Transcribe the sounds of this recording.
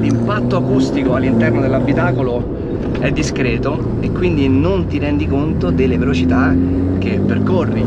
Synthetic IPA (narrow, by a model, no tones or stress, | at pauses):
limpat̪ːoakust̪ikoalːint̪ɛrnod̪elːabːit̪aːkolo | ɛd̪ːiskɾɛːt̪o | ekːwind̪inont̪iɾɛnd̪ikont̪od̪elːevelot͡ʃit̪a | k̟ːepːerkorːi